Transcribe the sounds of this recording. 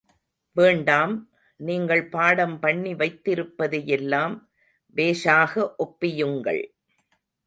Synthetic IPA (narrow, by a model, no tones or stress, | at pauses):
ʋeːɳɖaːm | niːŋɡɐɭpaːɽɐmpɐɳːiʋɐɪt̪ːɪɾɯpːɐðɐjɛlːaːm | ʋeːʂaːɣɐʔɔpːɪjɯŋɡɐ̰ɭ